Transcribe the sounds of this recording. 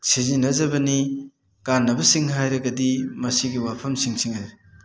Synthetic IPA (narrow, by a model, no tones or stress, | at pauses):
sizinːɐzɐbɐni | kanːɐbɐsiŋɦajɾɐɡɐdimɐsiɡiwapʰɐmsiŋsiŋhajɾi